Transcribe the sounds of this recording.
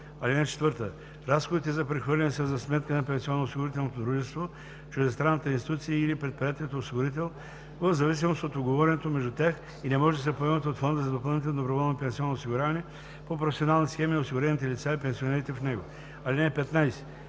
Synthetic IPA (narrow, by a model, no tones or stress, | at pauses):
ɐlinɛt͡ʃɛ̥t̪vɤɾt̪ə | ɾasxod̪it̪ɛzɐpɾɛxvɤɾlʲɛnɛsəzɐsmɛt̪kənɐpɛnsiɔnːosiɡʊɾit̪ɛlˠnot̪od̪ɾuʒɛst̪vo | t͡ʃʊd̪ɛst̪ɾanːət̪əinsi̥t̪ut̪siəilipɾɛt̪̚pɾiat̪ɛlot̪osiɡoɾit̪̬ɛlˠ | vəvzɐvis̬imost̪ot̪oɡovɔɾɛnɛt̪omɛʒd̪ut̪ʲax | inɛmɔʒɛd̪ɐsɛpoɛmət̪ʲot̪fond̪əzɐd̪opɐlˠnit̪ɛlnd̪obɾovɔlˠnopɛnsiɔnːosiɡʊɾʲavɐnɛ | popɾofɛsʲionalˠnisxɛmiosiɡʊɾɛnit̪ɛlit̪saipɛnsionɛɾit̪ɛfnɛɡo | ɐlinɛpɛt̪najsɛ̥